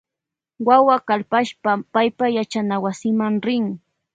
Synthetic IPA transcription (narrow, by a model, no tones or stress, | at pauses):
wawakalpaʃpapajpajat͡ʃanawasɪmaŋɾɪŋ